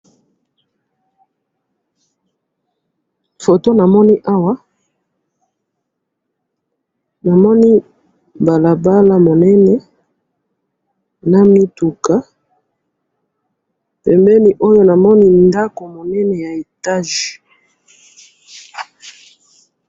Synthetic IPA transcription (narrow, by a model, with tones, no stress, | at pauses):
fo˨to˦na˨mɔ˦ni˦ʔa˦wa˦ | na˨mɔ˦ni˦ | ba˨la˨ba˦la˦mo˨nɛ˦nɛ˨˦ | na˦mi˦tu˨ka˨˦ | pɛ˨mbɛ˦ni˦ʔo˦jo˦na˨mɔ˦ni˦nda˦ko˨mo˨nɛ˦nɛ˨ja˨e˨ta˦ʒ